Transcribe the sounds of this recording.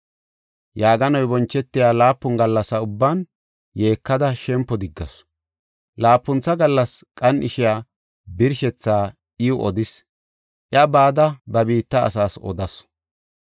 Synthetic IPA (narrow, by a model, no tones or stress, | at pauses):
jaːɡɐnɔjbɔnt͡ʃːɛt̪ːɪjaːlaːpːʊnɡɐlːɐsɐʊbːan | je̞ːkːɐd̪ɐʃɛmpːɔd̪ɪɡːɐ̰s | laːpːʊnt͡sːɐɡɐlːɐskʼɐnɪʃɪjaː | bɪɾʃɛt͡sːaː | ɪʊʔɔd̪ɪs | ʔɪɐbaːd̪ɐbɐbiːt̪ːɐ̰ːsaːsɔ̰d̪ɐs